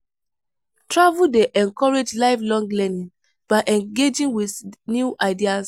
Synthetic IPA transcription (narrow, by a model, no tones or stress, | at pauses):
tɹavuldeʔɛ̃nkɔɹed͡ʒlaɪflɔ̃ŋɡlɛnĩn | b̥aɪʔɛ̃ŋɡed͡ʒĩŋwiθnjuʔaɪdias